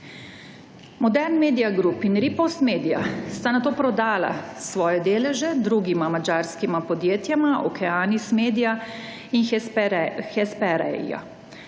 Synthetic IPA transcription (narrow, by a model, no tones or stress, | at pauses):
mɔd̪ɛɾnmeːd̪ijaɡɾupinɾipɔwst̪meːd̪ija̰st̪anat̪oːpɾɔd̪aːla̰sʋɔːjɛd̪eːlɛʒɛd̪ɾuɡimamad͡ʒaːɾskimapɔd̪jeːt̪jamaʔɔ̰kʰɛaːnismeːd̪ija | in | xɛspɛɾɛ̰a̰